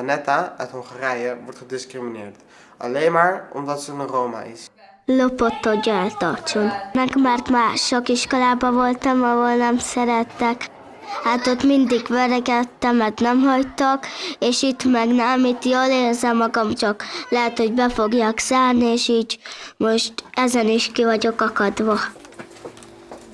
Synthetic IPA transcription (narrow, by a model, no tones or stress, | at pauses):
anɛtaœ̰thoŋχarɛjəʋɔrtχədɪskrimineːrt | ɑ̰lejnmaːrɔ̰mdɔt̪sənəroːma̰ʔɪ̰s | lopot̪ːoɟːɔnat̪ɒrt͡ʃonnɛkmaːrt̪maːʃokiʃkolaːbɒvolt̪ɒmɒɦolnɛmsɛɾɛt̪ːɛk | haːt̪ot̪mind̪iɡʋɛɾɛɡɛt̪ːɛmɛt̪nɛmɦɒct̪okeːʃit̪mɛɡnɛmit̪joːleːrzɛmːɒɡɒmt͡ʃɒklɛɦɛt̪ho̞ɟbɛfo̞ɡjaːksaːrnieːʃiːɟmo̞ʃt̪ɛzɛniʃkivɒɟo̞kɒkɒd̪ʋɒ